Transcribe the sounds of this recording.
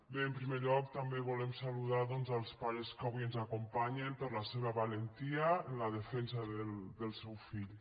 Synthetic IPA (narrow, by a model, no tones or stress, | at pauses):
beəmpɾimeʎɔk̚t̪ambeβ̞ulemsaluðaðɔnzalˠspaɾeskaβiənzakumpaɲempəɾlaseβ̞aβalent̪iaənlað̞əfɛnsaðəld̪əlˠsɛwfiʎ